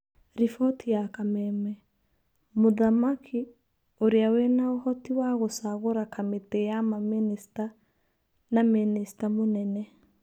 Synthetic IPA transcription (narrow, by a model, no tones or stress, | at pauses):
ɾifɔtʰijakamɛmɛ | moðamakʰi | oɾeawenaohɔtiwaɣosaɣoɾakametejamaminista | naministamonɛnɛ